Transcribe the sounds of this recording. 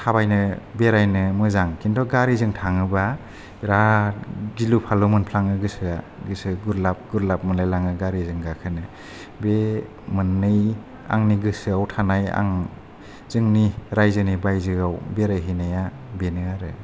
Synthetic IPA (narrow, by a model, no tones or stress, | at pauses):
tʰabajnɯbeɾajnɯmɯzaŋkʰintɔɡaɾizɯŋtʰaŋɯba | ɾa | dilupʰalumɯnpʰlaŋɯɡɯsɯa | ɡɯsɯɡuɾlap̚ɡuɾlap̚mɯnlajlaŋɯɡaɾizɯŋɡakʰɯnɯ | be | mɯnːɯj | a̰ŋniɡɯsɯawtʰanaja̰ŋ | zɯŋniɾajzɯnibajzɯawbeɾaɦinaja | benɯaɾɯ